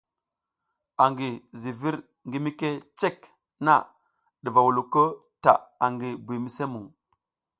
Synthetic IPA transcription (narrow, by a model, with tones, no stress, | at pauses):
a˨ŋɡi˨zi˨vi˦ɾ | ŋɡi˦mi˦ke˦t͡ʃe˦k | na̰˦˨ | ɗi˨va˨wu˨lu˨kə˦ | ta̰˨a˨ŋɡi˨bi˨mi˦se˦mu˨ŋ